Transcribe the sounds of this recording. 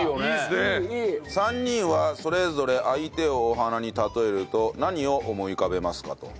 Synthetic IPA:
oesãɲ̟ːĩɰ̃βaso̞ɾe̞zo̞ɾe̞ʔait̪e̞oːɦanaɲ̟it̪at̪o̞e̞ɾɯ̟t̪o̞naɲ̟io̞ʔomo̞ikabe̞masɨ̥ka̰t̪o̞̰

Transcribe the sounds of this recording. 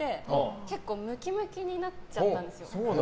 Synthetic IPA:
e̞hke̞kːo̞ːmɯ̟kʲimɯ̟kʲiɲ̟inat͡ɕatt̪ːãnd̪esɨjosoː

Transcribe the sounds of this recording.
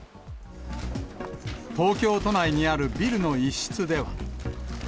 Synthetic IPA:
t̪o̞ːkʲo̞ːt̪onaiɲ̟iaɾɯ̟bʲiɾɯ̟no̞iɕːi̥t͡sɨd̪e̞βa̰

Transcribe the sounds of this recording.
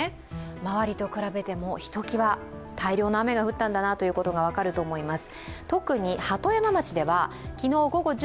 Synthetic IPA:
e | maβaɾʲit̪o̞kɯ̟ɾabe̞t̪e̞mo̞çi̥t̪o̞kʲiβa | t̪ʰaiɾʲo̞ːnoaame̞ɡaɸɯ̟t̪ːãnd̪anat̪o̞jɯ̟ːko̞t̪o̞ɡaβ̞akaɾɯ̟t̪o̞ːmo̞imasɨ̥t̪o̞kɯ̟ɲ̟ihat̪o̞jamamat͡ɕid̪e̞βa | kʲino̞ːɡo̞ɡo̞ʑ

